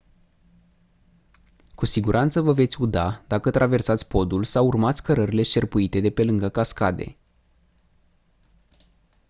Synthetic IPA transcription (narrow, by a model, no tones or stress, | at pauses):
kusiɡuɾʔant̪səvəve̞t̪sʲud̪ad̪̥akət̪ɾʔave̞rsat̪sʲpo̞d̪ulsawurmat̪sʲkəɾəɾile̞ʃe̞rpuit̪e̞d̪e̞pe̞lɨŋɡəkaskad̪e̞̰